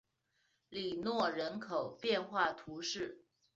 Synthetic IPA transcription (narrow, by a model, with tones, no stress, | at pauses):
li˨˩nwɔ˥˩ɻə˧˥nkʰo˨˩ʊpjɛ˥˧nxwa˥˩t̪ʰu˧˥ʂɻ̩˥˩